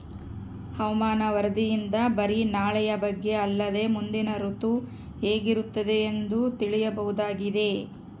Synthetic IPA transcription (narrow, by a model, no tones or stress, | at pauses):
hɐʋɐmaːnɐʋɐɾɐd̪ijind̪ɐbɐɾinaːɭɛjɐbɐɡːe̞ɐlːɐd̪e̞ːmund̪inɐɾut̪u | he̞ːɡiɾut̪ːɐd̪e̞ːnd̪ut̪iɭijɐbɐɦud̪aːɡid̪e̞